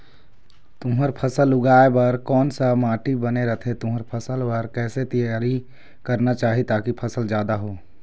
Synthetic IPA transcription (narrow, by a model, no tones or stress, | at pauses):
t̪ʊməɾpʰəsəlʊɡaːebɐɾkɔːnsamaːʈibəneɾət̪ʰet̪ʊməɾpʰəsəlbəɾkɛːset̪ijaːɾi | kɐɾnat͡ʃaːɦit̪aːkipʰɐsəld͡ʒjaːd̪aɦoː